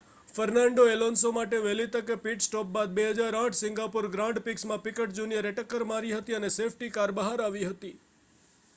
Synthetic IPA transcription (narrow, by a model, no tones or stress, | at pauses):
fəɾnaɳɖoelonsomaʈeʋelit̪əkepiʈsʈɔp̚bad̪̚beɦəd͡ʒaɾãʈʰsɪ̃ŋɡapuɾɡɾãɳɖpiksmãpikəʈd͡ʒunijəɾeʈəkːəɾmaɾiɦət̪iənesefʰʈikaɾbəɦaɾaʋiɦət̪i